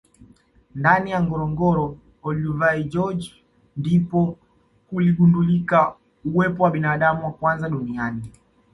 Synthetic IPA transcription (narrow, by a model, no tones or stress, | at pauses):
ndanijaŋɡɔɾɔŋɡɔɾɔ | ɔluvaid͡ʒɔd͡ʒ | ndipɔ | kuliɡundulika | uwɛpɔwaɓinaɗamuwakwanzaɗuniani